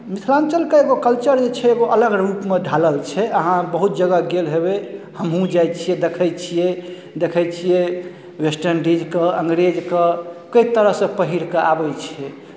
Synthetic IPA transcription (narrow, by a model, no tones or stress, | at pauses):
mit̪ʰlant͡ʃəlkeeɡokəlt͡ʃəɾd͡ʒet͡ʃʰɛːɡoʔələɡɾupmed̪ʱaləlt͡ʃʰɛəɦãbəɦut̪̚d͡ʒəɡəɡelɦeβehəmɦũd͡ʒajt͡ʃʰijɛd̪ekʰɛjt͡ʃʰijɛ | d̪ekʰɛjt͡ʃʰijɛ | wesʈəɾnɖid͡ʒkəəŋɡɾed͡ʒkəkəit̪əɾəɦsə̃pəɦiɾkeabɛt͡ʃʰɛ